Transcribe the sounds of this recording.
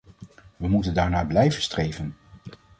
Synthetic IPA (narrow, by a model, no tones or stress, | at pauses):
ʋəmutəndaːɹnaːblɛjvənstrejvən